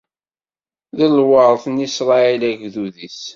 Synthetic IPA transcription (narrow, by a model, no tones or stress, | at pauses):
ðəlwəɾˤθnisɾˤɑilæɡðuðis